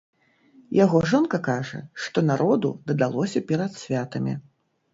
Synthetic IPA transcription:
jaɣɔʐɔnkɐkaʐɐ̰ʂt̪ɔnaɾʔɔd̪ud̪ɐd̪alˠɔsʲɐpʲɛɾɐt̪sʲvʲat̪ɐmʲḭ

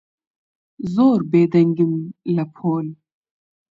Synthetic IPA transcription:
zoːɾbeːd̪ɐŋɡimlɐpʰoːl

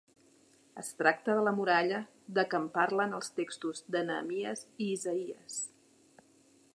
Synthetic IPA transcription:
ə̰st̪ɾak̚t̪əðələmuɾaʎə | ðəkəmpaɾlənəlˠst̪ekst̪uzd̪ənə̰ːmiəziːzəiəs

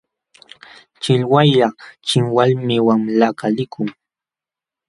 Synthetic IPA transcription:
t͡ʃɪlwajʎɑt͡ʃɪŋwalmɪwaŋlakalɪkʰʊŋ

